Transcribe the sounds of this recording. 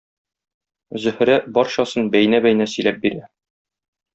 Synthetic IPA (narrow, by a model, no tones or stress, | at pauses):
zɵ̆hɾæbɒɾɕɒsɤnbæjnæbæjnæsɵ̆jlæp̚biɾæ